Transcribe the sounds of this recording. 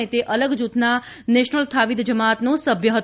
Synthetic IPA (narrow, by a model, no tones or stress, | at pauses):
et̪eʔələɡd͡ʒut̪na | nɛʃnəlt̪ʰaʋid̪d͡ʒəmat̪nõsəbʱjəɦət̪